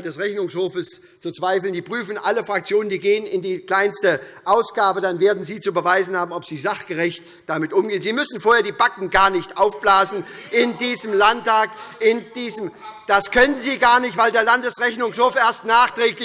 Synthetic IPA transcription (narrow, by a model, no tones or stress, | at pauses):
dɛsʁɛçnʊŋshoːfəs | t͡sut͡sv̥aɪfləndiːpʁ̥yːfn̩ʔaləfʁ̥ak̚t͡sjoːnəndiːɡeːənɪndiːkl̥aɪnstə | ʔaʊsɡ̥aːbədanveːɐdn̩ziːt͡subəvaɪzn̩haːbm̩ɔpz̥iːzaχɡ̥əʁɪçt | d̥amɪtʔʊmɡeːənziːmʏsn̩foːɐheːɐdiːbakŋ̩ɡaːɐnɪçtʔaʊfb̥laːzn̩ʔɪndiːzəmlantaːkʔɪnd̥iːzəmd̥askʰœnənziːɡaːɐnɪçtv̥aɪldeːɐlandəsʁɛçnʊŋshoːfʔeːɐstnaːχtʁ̥ɛːklɪ